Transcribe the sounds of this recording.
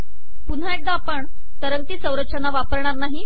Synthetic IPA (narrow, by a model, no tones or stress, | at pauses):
pun̤aeʈ̚d̪aːpəɳ | t̪əɾəŋt̪iːsə̃wɾəɕanːaʋapəɾɳ̃aɾnaɦi